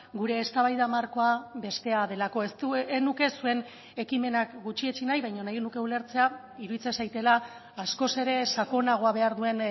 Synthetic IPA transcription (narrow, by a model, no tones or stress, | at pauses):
ɡuɾe̞ːst̪aβajðamaɾko̞aβe̞st̪e̞aðe̞lako̞est̪uenuke̞sue̞n | e̞kime̞nakɡut͡ʃiet͡ʃinajβajɲo̞najenuke̞ule̞ɾt͡se̞a | iɾuðit͡sesajt̪e̞laː | sko̞se̞ɾe̞sako̞naɣ̞o̞aβe̞aɾðue̞n